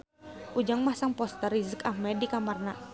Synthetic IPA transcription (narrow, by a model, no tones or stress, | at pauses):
ʔud͡ʒaŋmasaŋpɔst̪aɾizəkafmɛdikamarna